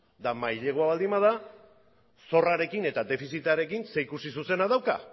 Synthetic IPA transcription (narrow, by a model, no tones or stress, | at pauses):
d̪amajʎe̞ɣ̞oaβald̪imbað̞a | so̞raɾe̞kine̞t̪ad̪e̞fisit̪aɾe̞kinse̞ikusisuse̞naðawka̰